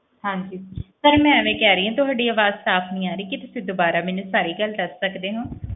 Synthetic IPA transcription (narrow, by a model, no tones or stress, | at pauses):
hãːŋkjuːsəɾmɛ̃ːəʋẽːkɛːɾəiːãːt̪ʊɦaːɖiːaːʋaːzsaːpʰnəĩːaːɾəiːkit̪ʊsĩːd̪oːbaːɾaːmɛ̃ːnũːsaːɾiːɡəld̪əsːəkd̪eːɦõː